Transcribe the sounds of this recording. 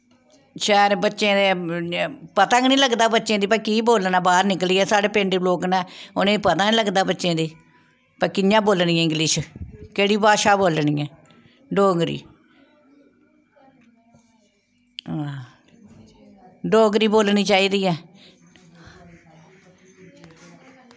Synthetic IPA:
ʃɛːɾbətːʃẽːd̪e | pət̪ãːŋnĩːləɡd̪aːbətːʃẽːd̪iːpəɾkiːboːlnaːbaːɾnɪkliːɛːsaːɽeːpẽːɳɖeloːknɛːʊnẽːpət̪ãːniːləɡd̪aːbətːʃẽːd̪iː | pəɾkɪjãːboːlniːɛ̃ːɪ̃ŋɡlɪːʃkeːɽiːbaːʃaːboːlniːɛ̃ː | ɖoːŋɡɾḭː | ɖoːŋɡɾiːboːlniːt͡ʃaːiːd̪iːɛː

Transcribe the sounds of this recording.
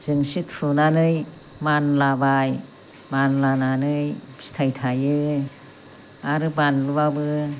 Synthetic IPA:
zɯŋsitfʰɯnanɯj | manlabaj | manlananɯj | si̥tʰajtʰajɯ | aɾɯbanlɯbabɯ

